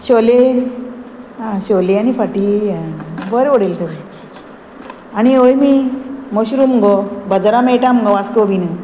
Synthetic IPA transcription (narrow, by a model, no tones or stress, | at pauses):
ɕɔle | ɦãɕɔleañifaʈi | bəɾoɽelt̪ʰeʋi | añiojmimoɕuɾumɡɔbəd͡zɾamejʈamɡɔʋaskobinə